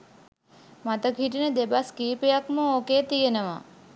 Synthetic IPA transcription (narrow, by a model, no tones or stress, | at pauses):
mat̪əɡʱiʈined̪ebaskipejakməokeːt̪ijenəʋa̰